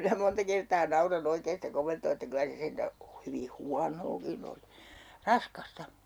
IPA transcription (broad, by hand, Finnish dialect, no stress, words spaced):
minæ montɑ kertɑː nɑurɑn oikeːn̞ sitæ komentoː etːæ kylæ se sentæ hyʋi huɑnoːkin oli rɑskɑstɑ